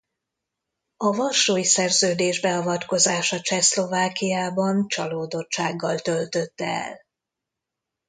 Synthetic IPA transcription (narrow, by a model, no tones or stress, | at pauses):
ɒvɒrʃoːjisɛrzøːd̪eːʒbɛɒvɒt̪ko̞zaːʃɒt͡ʃɛslo̞vaːkijaːbɒnt͡ʃɒloːd̪o̞t͡ʃt͡ʃːaːɡːɒlt̪ø̞lt̪ø̞t̪ːɛɛ̰l